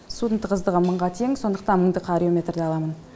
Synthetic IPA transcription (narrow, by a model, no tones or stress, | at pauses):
sut̪ənt̪əqʰəzd̪əʁəməɴʁɑt̪ʰe̞ŋso̞nd̪əq̚t̪ɑnməɴd̪əqʰɑɾʲio̞mʲe̞t̪rd̪eɑlˠɑmən